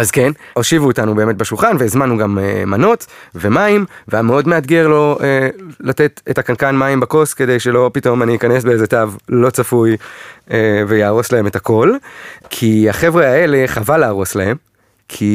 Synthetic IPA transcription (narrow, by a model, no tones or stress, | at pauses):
azkeno̞ʃivuːtanube̞ːme̞t̚beʃulχanvezmanuɡamemano̞tve̞maimveameo̞dmeatɡeʁlo̞elate̞tetakankanmaimbako̞ske̞de̞jʃelo̞pito̞maniːikane̞sbeezetavlo̞t͡safujevejaːʁo̞slahe̞metako̞lkʰiaχevʁeaele̞χavalaːʁo̞slahe̞m | kʰi